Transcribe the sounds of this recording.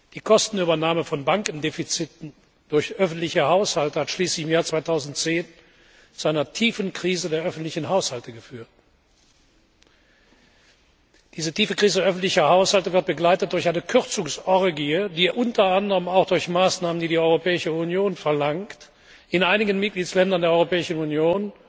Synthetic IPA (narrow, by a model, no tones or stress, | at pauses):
d̥iːkʰɔstn̩yːbɐnaːməfɔnbaŋkn̩defit͡sɪtn̩ | d̥ʊɐçʔœfn̩tlɪçɐhaʊshaltəhatʃliːslɪçɪmjaːɐt͡sv̥aɪtʰaʊzn̩tt͡seːn | t͡suaɪnɐtʰiːfn̩kʁ̥iːzədeːɐʔœfn̩tlɪçn̩ɦaʊshaltəɡəfyːɐt | d̥iːzətʰiːfəkʁ̥iːzəʔœfn̩tlɪçɐhaʊshaltəvɪɐt̚b̥əɡlaɪtət̚d̥ʊɐçaɪnəkʰʏʁt͡sʊŋsɔʁɡiədiːʔʊntɐandəʁəmaʊxd̥ʊɐçmaːsnaːməndiːdiːɔʏʁopʰɛːɪʃəunjoːnfɛɐlaŋkt | ɪnʔaɪnɪɡənmɪt̚ɡ̥liːtslɛndɐndeːɐɔʏʁopɛːɪʃn̩unjoːn